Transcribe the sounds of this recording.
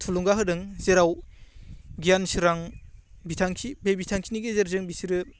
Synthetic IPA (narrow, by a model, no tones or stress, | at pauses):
tʰuluŋɡaɦɯdɯŋzeɾaw | ɡijansɯɾaŋbitʰaŋkʰibebitʰaŋkʰiniɡezeɾzɯŋbisiɾɯ